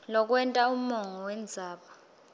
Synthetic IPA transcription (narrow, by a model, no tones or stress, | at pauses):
lɔk̬ʼwɛntʼaum̩mɔŋɔwɛnd͡zʱaːɓa